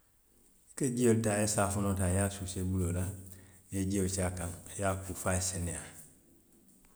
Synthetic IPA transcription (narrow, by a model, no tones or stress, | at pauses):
ked͡ʒioltaesafunotajasusebulolaned͡ʒiot͡ʃakaŋjakufasenia